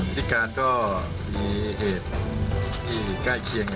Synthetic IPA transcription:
t̪ʰi˦˥˩kaː˧nkɔː˥˩ | miː˧heː˨˩t̪̚o˧nt̪ʰiː˥˩ka˥˩jkʰi˧əŋ

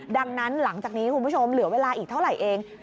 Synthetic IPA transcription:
da˧ŋna˦˥nla˩˦ŋt͡ɕaː˨˩k̚niː˦˥kʰu˧nbu˥t͡ɕʰo˧mlɯ˩˦ɐweː˧laː˧ʔiː˨˩k̚t̪ʰa˥˩wɾa˨˩jʔeː˧ŋ

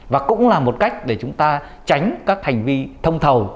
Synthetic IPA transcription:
vaː˨˩kʊ̰˧˥ŋ͡mlaː˨˩mo˨˩t̚ka˦˥jk̟̚ɗe˧˩t͡ɕʊ˨˦ŋ͡mt̪aː˧ | t͡ɕa˨˦jŋ̟kaː˦˥k̚ha˨˩jŋ̟vi˧t̪ʰə˧wŋ͡mt̪ʰə˨˩w

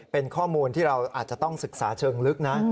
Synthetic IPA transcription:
pe˧nkʰɔː˥˩muː˧nt̪ʰiː˥˩ɾa˧wʔaː˨˩t̪̚t͡ɕa˨˩t̪ɔ˥˩ŋsɯ˨˩k̚saː˩˦t͡ɕʰɤː˧ŋlɯ˦˥k̚na˦˥

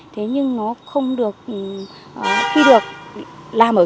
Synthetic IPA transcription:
t̪ʰe˨˦ɲɨ˧ŋnɔ˨˦xə˧wŋ͡mɗɨ˨˩ək̚ʔ | ʔki˧ɗɨ˨˩ək̚laː˨˩mʔəː˧˩

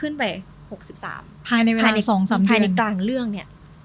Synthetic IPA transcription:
kʰɯ˥˩npa˧j | ho˨˩k̚si˨˩p̚sa̰ː˩˦mpʰaː˧jna˧jweː˧aː˧nla˧˨˧sɔː˩˦ŋsaː˨˩˦mʰaː˧a˧˨˩k̪laː˨˩ŋɾɯ˥˩əŋni˥˩ɐ

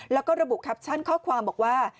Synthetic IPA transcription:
lɛː˦˥wkɔː˥˩ɾa˧bu˨˩ʔkʰa˦˥p̚t͡ɕʰa˥˩nkʰɔː˥˩kʰwaː˧mbɔː˨˩k̚waː˥˩

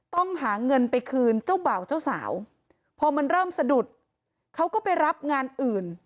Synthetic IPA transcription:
t̪ɔ˥˩ŋɦaː˩˦ŋɤ˧npa˧jkʰɯː˧nt͡ɕa˥˩wba˨˩wt͡ɕa˥˩wsa̰ː˩˦w | pʰɔː˧ma˧nɾɤː˥˩msa˧du˨˩t̪̚ | kʰa˦˥wkɔː˥˩pa˧jɾa˦˥p̚ŋaː˧nʔɯː˨˩n

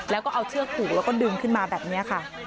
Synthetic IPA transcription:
lɛː˦˥wkɔː˥˩ʔa˧wt͡ɕʰɯ˥˩ɐkʰuː˨˩k̚lɛː˦˥wkɔː˥˩dɯː˧mkʰɯ˥˩nmaː˧bɛː˨˩p̚ni˦˥ɐkʰa˥˩

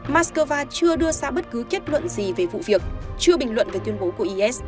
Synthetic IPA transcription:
maː˦˥tskəː˧vaː˧t͡ɕɨ˧əɗɨ˧əsa̰ː˧˥ɓə˦˥t̚kɨ˨˦ke˦˥t̚lwə̰˧˨nzi˨˩ve˨˩vṵ˧˨vi˨˩ək̚t͡ɕɨ˧əɓï˨˩ŋ̟lwə̰˧˨nve˨˩t̪wi˧ənɓo˨˦ku˧˩əʔi˧ʔɛ˦˥s

